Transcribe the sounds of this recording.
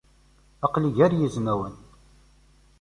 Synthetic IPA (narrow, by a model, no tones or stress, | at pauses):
ɑqliʝæɾjəznæwən